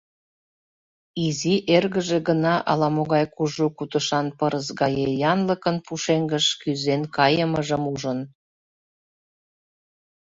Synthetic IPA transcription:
iziʔerɣəʒeɣənɑʔɑ̰lɑmoɣɑjkuʒukut̪əʃɑnpəɾəzɣɑjejɑnləkənpuʃeŋɡəʃkyzenkɑjəməʒəmuʒən

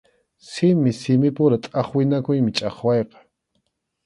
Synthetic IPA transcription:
sɪmɪsɪmɪpʊɾat̪ʼɑχwɪnakʊjmɪt͡ʃʼɑχwɑjqɑ̥

